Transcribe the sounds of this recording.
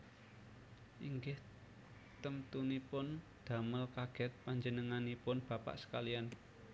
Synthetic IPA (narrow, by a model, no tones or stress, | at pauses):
ʔiŋɡɪh | t̪əmt̪unipʊn | d̪̥a̤məlkaɡ̥ɛ̤t̪̚paɲd͡ʒənəŋanipʊnb̥a̤pa̰ʔsə̥kalian